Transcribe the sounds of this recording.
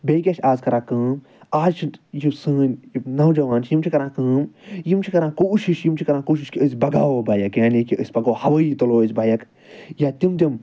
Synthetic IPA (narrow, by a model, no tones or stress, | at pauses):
beːkʲaʃʰʲaːzkɐɾãːkɨːm | aːzt͡ʃʰijisɨːnʲnɐwd͡ʒɐʋãːnt͡ʃʰjimt͡ʃʰikɐɾãːkɨːmjimt͡ʃʰikɐɾãːkoːʃiʃjimt͡ʃʰikɐɾãːkoːʃiʃkiəs̬ʲbɐɡaːwobaːjɐkjaːnʲikiʔəsʲpɐɡoːhɐʋəjit̪oloːəzʲbaːjɐk | jaːt̪ʲimt̪ʲim